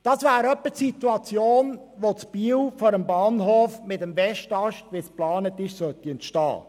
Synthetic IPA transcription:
d̥ɑsvæːɾœpːəsit̪uɑt͡sjoːn | ʋot͡sb̥iːwfɔɾəmbɑːnɦoːfmɪtəmvɛʃtɑʃtʋisplɑːnət̪ɪʃsœt̪ːiɛnt̪ʃtɑ̰ː

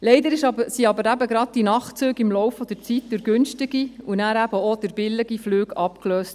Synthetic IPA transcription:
lɛɪdəɾɪʃɑbəsiɑbəɾæbəɡɾɑt̚d̥inɑχt͡sʉːɡɪmlɔwfɔd̥̪əɾt͡sit̚d̥ʉɾɡ̥ʉnʃtɪɡiunæːɾæb̥əod̥əɾb̥ɪlːɪɡ̥iflyːɡɑpkløːst

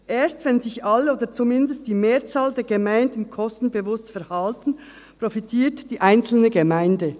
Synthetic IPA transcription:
ʔeːstvɛnzɪçʔaloːdət͡sumɪndəst̚d̥iːmeːɐt͡saːldɛːɐɡəmaɪndn̩kʰɔstn̩bəvʊstfɛɐhaltn̩ | pʁ̥ofitʰiːtd̥iːʔaɪnt͡sl̩nəɡəmaɪndə

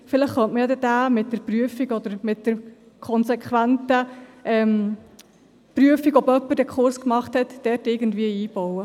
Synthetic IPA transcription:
fɪləχχœntməjɑd̪ɛd̥æːmɪt̚dɛɾpryəfiɡɔd̪əɾmɪtd̥əɾ | kʰɔnsɛkχʋæntəʔɛm | pryəfiɡɔbœpːəd̥ɛkʰχʊɾskmɑχthɛtːɛɾtɪɡən̩dviəiːb̥ɔwə

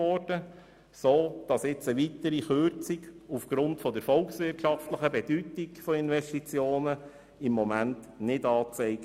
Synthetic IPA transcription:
ɔɾd̥ə | soːd̥ɑsɪt͡səʋit̪əɾixʏɾt͡siɡufɡ̥ɾʊntfɔd̪əɾfɔlksʋɪrtʃɑftləχəbɛd̥ytiɡfɔɪnʋɛʃtit͡sjoːnə | ɪmːɔmænt | nɪdɑːt͡sɛɪɡ

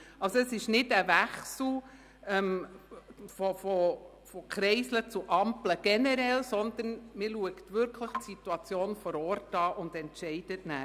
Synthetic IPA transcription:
ɑlsɔɛsɪʃnɪtæʋæχsl̩ | ɛm | fɔfɔ | fɔkʰɾɛɪslət͡suʔɑmpləɡ̥ɛnɛɾɛlsɔnd̪ənmɪɾluəktʋʏɾkʰləχtsituɑt͡sjoːnfɔɾɔːɾtɑːʔʊnd̥ɛntʃɛɪd̥ətnæː

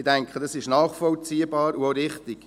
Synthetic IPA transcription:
ɪdɛŋkχədɑsɪʃnɑːχfɔlt͡siːəbɑːɾuoɾɪχtɪɡ̥

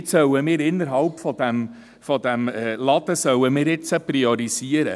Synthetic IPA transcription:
t͡ssœwəmɪːɾɪnːəɾɦɑlpfɔd̥̪æm | fɔd̪æmɛlɑd̪əsœwəmɪːɾɪt͡səpriɔɾisiəɾə̰

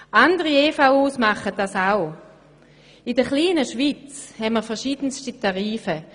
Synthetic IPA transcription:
ʔandəʁieːfaʊuːsmaχət̚d̥asaʊ | ɪdəχliːnəʃʋit͡shɛnməɐfɛɐʃiːd̥ənstitaʁiːfə

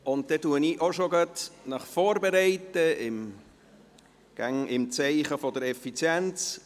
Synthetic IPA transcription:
ʊnt̚d̥ɛtuəniʔoʃoɡatnɑχfoːɾbeɾɛɪtəɪm | ɡ̥aŋɪmt͡sɛɪχəfɔdəɾɛfit͡sjɛnt͡s

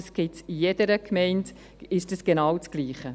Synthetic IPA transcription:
sɡ̥ɪtijed̥əɾəkʰmɛɪnt | ɪʃdəsɡ̥enɑːwt͡sɡ̥liːχə

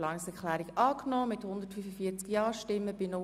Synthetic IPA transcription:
lɑːnɪksɛklæːɾikɑːknɔːmɪthʊnd̪ətfyfəfiət͡skjɑːʃtɪmːəb̥ɪnɔ

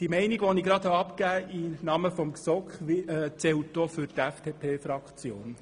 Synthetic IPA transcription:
d̥imɛɪniɡʋɔniɡɾɑd̪hɑɑpkæːʔinɑməfɔmksɔkχʋɪɛt͡sɛwtd̥oːfʏɾtæfd̥epʰeːfɾɑkχt͡sjoːn

